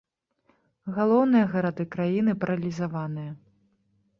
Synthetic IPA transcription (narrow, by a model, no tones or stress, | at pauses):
ɣalˠɔwnɨjɐɣɐɾad̪ɨkɾajinɨpɐɾɐlʲizavanɨjɐ